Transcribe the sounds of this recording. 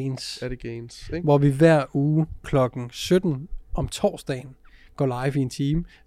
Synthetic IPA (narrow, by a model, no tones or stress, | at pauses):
nsdeɡ̥eɪnsʋɒʋiʋæɐ̰uːkʰlɒ̽ɡ̥ŋ̩sød̥n̩ʔɒ̽mt͡sʰɒ̰ːsd̥ɛ̰ːɪn̩ | ɡ̥ɒ̰lɑ̈ɪfie̝nt͡sʰiːm